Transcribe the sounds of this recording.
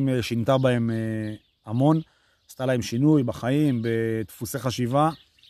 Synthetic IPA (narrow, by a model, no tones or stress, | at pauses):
meʃint̪abae̞me | amo̞n | ast̪alae̞mʃinujbaχaimbe̞t̪fuse̞χaʃiva